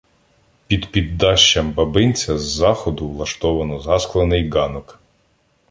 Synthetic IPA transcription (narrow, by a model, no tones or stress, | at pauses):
pʲid̪pʲid̪ːɑʃt͡ʃːɐmbɐbɪnʲt͡sʲɐzːɑxɔd̪ʊʋlˠɐʃt̪ɔʋɐnɔzɑsklˠɐnɪjɡɑnɔk